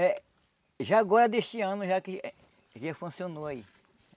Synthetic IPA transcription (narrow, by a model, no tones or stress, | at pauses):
ɛ | ʒaːɡɔɾɐd̪est͡ʃiɐ̃nʊʒaki | ʒefũsionoaḭ